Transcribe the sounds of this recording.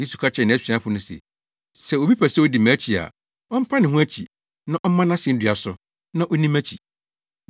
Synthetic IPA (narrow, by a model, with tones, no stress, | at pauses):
je˦su˨kʰa˦t͡ɕʰɛ˦˨nɪ̃˨æ˦sᶣĩ˨˦a˦fʊ˨nʊ̃˦sḛ˨ | sɛ˦o˨bi˦pʰæ˨sɛ˦o˦di˨mæ̃˨˦t͡ɕʰi˨a̰˨ | ɔ˦m̩˦pʰã˦nɪ̃˨ɦũ˦æ˦t͡ɕʰi˨ | nã˦ʔɔ˦mã˦nã˦sɪ˨n̩˦dɪ˨a˨sʊ˦ | nã˦ʔɔ˦nĩ˦mæ˦t͡ɕʰi˨